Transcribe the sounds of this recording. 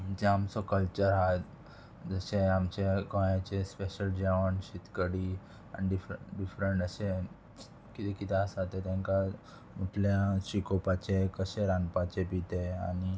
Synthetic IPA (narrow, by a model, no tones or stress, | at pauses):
d͡ʑeamsɔkəlt͡ɕəɾɦat̪ | d͡zəseamt͡ɕekɔ̃jat͡ɕespeɕəld͡ʑaʋənɕit̪kəɽi | a̰niɖifɖifɾəɳʈəse | kit̪ekit̪ʰeasat̪et̪jãŋka | muʈʰljasikopat͡ɕekəɕeɾanpat͡ɕebit̪ea̰ni